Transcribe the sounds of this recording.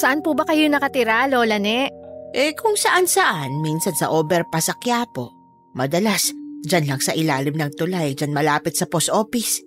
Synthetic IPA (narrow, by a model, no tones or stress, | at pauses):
sɐʔanpubɐkɐjonɐkɐt̪ɪɾalolɐnɛʔʔɛkʰʊŋsɐʔansɐʔanminsɐnsɐʔoːbɛɾpɐsɐkjaːpo̞̰ | mɐd̪ɐlasd͡ʒɐnlɐŋsɐʔɪlaːlɪmnɐŋt̪ʊlajd͡ʒanmɐlaːpɪt̪sɐposʔo̞ːpis